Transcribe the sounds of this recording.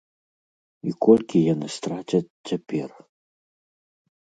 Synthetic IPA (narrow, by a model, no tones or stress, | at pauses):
ḭkɔlʲkʲijanɨst̪ɾat͡ɕʲɐt͡sʲt͡sʲːapʲɛr